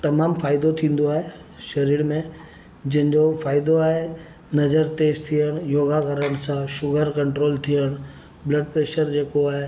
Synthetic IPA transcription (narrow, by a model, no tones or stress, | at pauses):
t̪ɐmaːmfaːɪd̪ot̪ʰĩːn̆d̪oaːɦe | ʃɐɾiːɽmẽ | d͡ʑɪ̃ɦɪ̃ɲd͡ʑofaːɪd̪oaːɦe | nɐzəɾt̪eːst̪ʰiəɽ̃joːɡakɐɾəɽ̃sãʃʊɡʱəɾkɐ̃ɳʈɾoːlt̪ʰijəɽ̃ | blɐɖ̚pɾeːʃəɾd͡ʑeːkoaːɦe